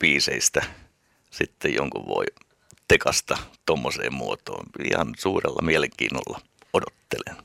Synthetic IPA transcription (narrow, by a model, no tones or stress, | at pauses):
piːseist̪æ | sit̪ːejjo̰ŋkuʋʋo̰i | t̪ekɑst̪ɑt̪omːosḛːmmuot̪o̰ːnḭhɑnsuːrelːɑmieleŋkḭːnːolːɑ | odot̪ːelen